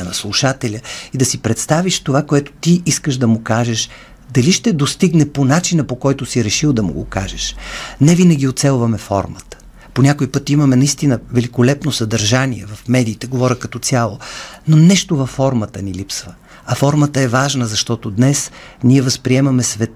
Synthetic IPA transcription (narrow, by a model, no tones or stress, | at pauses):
nɐslˠuʃat̪ɛlʲəid̪ɐsipɾɛt̪st̪aviʃt̪ovakoɛt̪o̥t̪iiskəʃd̪ɐmʊkaʒɛʃ | d̪ɐliʃt̪ɛd̪ost̪iɡnɛponat͡ʃinəpokɔjt̪ʊsiɾɛʃilˠd̪ɐmṵɡo̰ka̰ʒɛʃnɛvinəɡʲiot̪sɛlˠvɐmɛfɔ̰ɾmət̪ə̥ | ponʲakoipɤt̪imɐmɛnɐist̪inəvɛlʲikolɛpnosɐd̪ɐɾʒaniɛ̰vɐfmɛd̪iːt̪ɛɡovɔɾʲəkɐt̪ɔt̪sʲalˠononɛʃt̪ovɐfːɔɾmət̪ənilipsvə | ɐfɔɾmət̪əɛvaʒnəzɐʃt̪ɔt̪od̪nɛsniɛvɐspɾiɛmɐmɛsvɛt̪